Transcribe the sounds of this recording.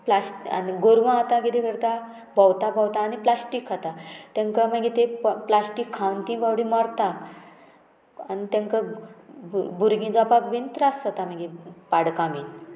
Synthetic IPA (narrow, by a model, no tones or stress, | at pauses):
plasʈa̰niɡoɾʋãːt̪aɡid̪ikəɾt̪a | bawt̪abʱawt̪aːniplasʈikat̪at̪ẽŋkəm̤aɡet̪eplasʈikʰːawnt̪ĩbaʋɽimɔɾt̪ak | anit̪ẽŋkə | bʱuɾɡĩd͡zɔpakʋint̪ɾasat̪am̤aɡepaɽkamin